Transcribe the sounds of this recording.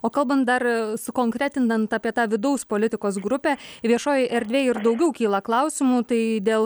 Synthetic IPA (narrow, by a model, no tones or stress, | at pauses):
oːkɐlˠbɐnt̪̚d̪ɐrsʊkoːŋkɾʲæːt̪ʲɪnd̪ɐnt̪ɑːpʲiɛt̪ɑːʋʲɪd̪ɐʊspoːlʲɪt̪ʲɪkoːsɡɾʊpʲæʋʲiɛʃoːjɪʔɛɾʲd̪ʲʋʲeːɪrd̪ɐʊɡʲɛʊkʲiːlˠɐklˠɐʊsʲɪmuːt̪ɐɪd̪ʲeːlˠ